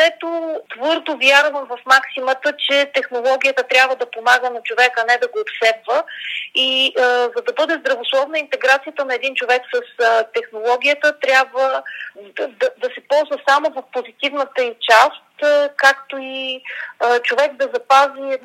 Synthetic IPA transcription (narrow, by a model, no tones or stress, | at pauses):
ɛt̪ot̪vɤɾd̪ovjaɾvəmvɐfmaksimət̪ət͡ʃɛt̪ɛxnolˠɔɡʲijət̪ət̪ɾʲjabvəd̪ɐpomaɡənɐt͡ʃovɛkɐnɛd̪ɐɡoːt̪sɛpvəizɐd̪ɐbɤd̪ɛzd̪ɾɐvoslˠɔvnəint̪ɛɡɾat̪sijət̪ənɐɛd̪int͡ʃovɛksəst̪ɛxnolˠɔɡʲijət̪ət̪ɾʲabvəd̪d̪ɐd̪ɐsɛpɔlˠzvəsamovofpozit̪ivnət̪əit͡ʃast̪kak̚t̪oi | t͡ʃovɛkd̪ɐzɐpazi